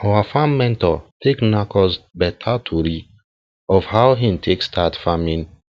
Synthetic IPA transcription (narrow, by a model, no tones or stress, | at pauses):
awafãmːɛ̃ntɔtʰeknakɔsbɛtʰatʰuɹi | ɔfhaʊɦĩmtʰekstʰatfamĩn